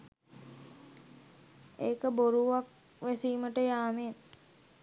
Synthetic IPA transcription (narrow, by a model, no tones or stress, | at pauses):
eːkəboɾuʋak | ʋæsiːməʈəjaːmen